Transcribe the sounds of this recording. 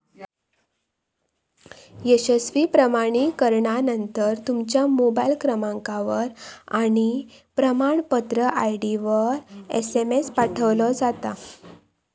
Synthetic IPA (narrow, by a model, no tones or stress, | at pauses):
jəɕəsʋipɾəmaɽ̃ikəɾɳanənt̪əɾt̪umt͡ɕjamobajlkɾəmãŋkaʋəɾa̰ɽ̃i | pɾəmaɳpət̪ɾəʔajɽiʋəɾḛsemespaʈʰəʋlɔd͡zat̪a